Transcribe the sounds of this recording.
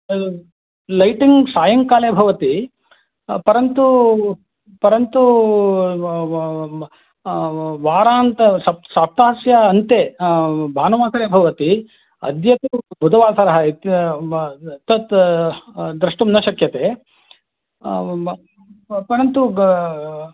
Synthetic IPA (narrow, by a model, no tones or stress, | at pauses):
lɐjʈiŋɡsaːjɐŋkaːleːbʱɐʋɐt̪i | pɐɾɐnt̪u | pɐɾɐnt̪u | ʋaːɾaːnt̪ɐsɐsaːp̚t̪aːɦɐsjɐɐnt̪ebʱaːnɐʋaːsɐɾeːbʱɐʋɐt̪i | ɐ̰d̪jɐt̪ubʱud̪ʱɐʋaːsɐɾɐɦɐit̪ | t̪ɐt̪ | d̪ɾɐʂʈumnɐʃɐkjɐt̪eː | pɐɾɐnt̪u